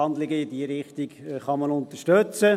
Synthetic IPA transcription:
ɑnd̪lɪɡəɪdiəɾɪχt̪iɡ̥χɑmɑnʊnt̪əʃtɵt͡sə

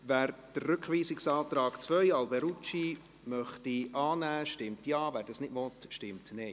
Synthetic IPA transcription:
væːɾd̥əːʉkχʋiːsɪksɑːt̪ɾɑːɡ̥t͡sʋœjɑlbɛɾut͡ʃi | mœχtiʔɑːnæːʃtɪmtjɑːvæːɾd̥ɑsnɪdmɔtʃtɪmtnɛɪ

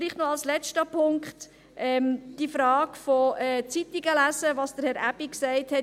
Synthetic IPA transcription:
liːχtnɔɑlslɛt͡ʃtəpʰʊŋkχt | ʔɛmd̥ifɾɑːɡfɔɛːt͡sitiɡəlæsəʋɑsd̥əɾhɛɾæb̥iksæɪthɛt

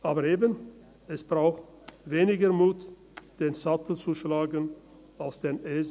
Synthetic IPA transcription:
ʔaːbəɾeːbən | ɛsb̥ʁaʊxt | veːnɪɡəmuːt | d̥eːnzatl̩t͡suʃlaːɡən | alsd̥eːnʔeːz

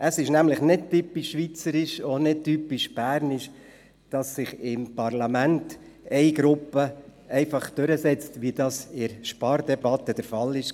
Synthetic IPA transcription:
ʔəsɪʃnæmlɪχnɪd̚typːiʃːʋit͡səɾɪʃɔnɪd̚typːiʃb̥æːɾnɪʃ | d̥ɑsːɪχɪmpɑɾlɑmænt | ɛɪɡ̥ɾʊpːəɛɪfɑχd̥øɾəsɛt͡stʋid̥ɑsɪɾʃpɑːɾdɛbɑt̪əd̥ɛɾfɑlːɪʃ

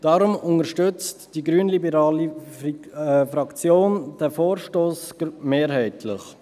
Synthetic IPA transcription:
d̥ɑɾʊmʊnəɾʃtʏt͡std̥iɡɾyːənlibəɾɑːli | fɾɑkt͡sjoːnd̥ɛfoːɾʃtoːsɡ̥meːɾhɛɪtʰlɪχ

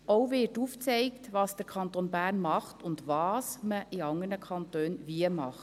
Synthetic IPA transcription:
ʔoʊvɪtuːft͡sɛɪktʋɑːsd̥əɾkʰɑntonbæːɾnmɑχtʊndvɑːsməʔɪɑŋəɾnəkʰɑntøːnviəmɑχt

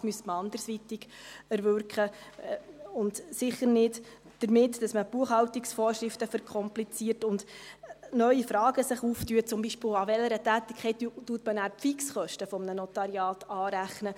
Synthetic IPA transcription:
myəstməɑnd̪əɾsʋit̪ɪɡ | ɛɾʋøɾkχə | ʊndsɪχːəɾnɪd | d̥əɾmɪtdɑsməb̥uəχhɑwtiksfɔːɾʃɾɪftəfəɾkʰχɔmplit͡siəɾtʊnd̥ | nœɥifɾɑːɡ̥əsɪχuːftyət͡sʊmbiʃpɪlɑʋɛləɾətæːt̪ɪkʰχɛttːuətmənæːɾpfiksχœʃtəfɔmnənɔt̪ɑɾiɑːtɑːɾæχnə

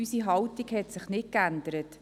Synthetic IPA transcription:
ysiɦɑwtiɡhɛt̪sɪχnɪt̚kænd̪əɾət

